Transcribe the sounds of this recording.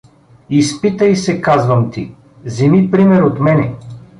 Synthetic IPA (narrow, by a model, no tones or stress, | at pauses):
ispit̪əjsɛkazvɐmt̪i | zimipɾimɛɾot̪mɛnɛ